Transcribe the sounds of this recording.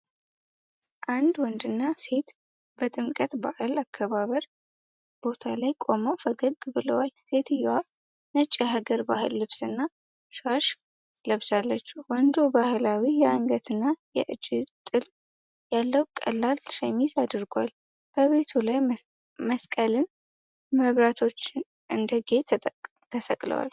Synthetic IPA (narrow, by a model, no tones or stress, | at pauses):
ʔand̪wɔnd̪ɨnːase̞t̪ | bət̪ʼɨmkʼət̪ba̰ʔɨlakʰːəβaβəɾ | b̥o̞t̪ʰalajkʼo̞məwfəɡəɡbɨləwalse̞t̪ʰɨjːɛwa | nət͡ʃʼːaɦaɡəɾbahɨlːɨβsɨnːa | ʃaʃ | ləβsalːət͡ʃːuwɔnd̪o̞bahɨlawijɛaŋɡət̪ɨnːajɛ̰ʔɨd͡ʒːɪt̪ʼɨl | jalːəwkʼə̰lːalʃajmizad̪ɨɾɡʷal | b̥əβe̞t̪ʰulaj | məskʼəlɨn | məβɾat̪ʰo̞t͡ʃːɪn | ʔɨnd̪əɡe̞t̪ʰ | t̪ʰəsəkʼlə̰wa̰l